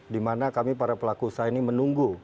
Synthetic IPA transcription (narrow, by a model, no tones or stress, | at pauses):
dimanakamipaɾapəlakusajainimənuŋɡu